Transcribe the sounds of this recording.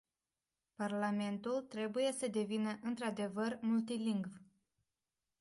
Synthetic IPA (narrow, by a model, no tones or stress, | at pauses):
parlame̞nt̪ult̪ɾe̞buje̞səd̪e̞vinəʔɨnt̪ɾad̪e̞vərmult̪iliŋɡv